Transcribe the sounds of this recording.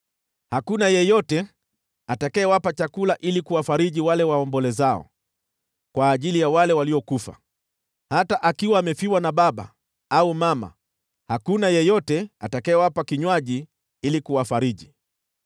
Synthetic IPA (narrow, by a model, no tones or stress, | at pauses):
hakunajɛjɔtɛ | atakaɛːwapat͡ʃakulaʔilikuwafaɾiʄiwalɛwaɔmbɔlɛzaɔ̰ | kwaːʄilijawalɛwaliɔkufa̰ | hataʔakiwaːmɛfiwanaɓaɓa̰ | aumama̰ | hakunajɛjɔtɛatakaːwapakiɲwaʄi | ilikuwafaɾiʄi